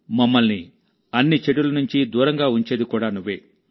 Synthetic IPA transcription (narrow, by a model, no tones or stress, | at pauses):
mɐmːɐlni | ɐnːit͡ʃeʈulɐnuɲt͡ʃid̪uːɾɐŋɡaːuɲt͡ʃe̞ːd̪ikuːɽaːnuʋːeː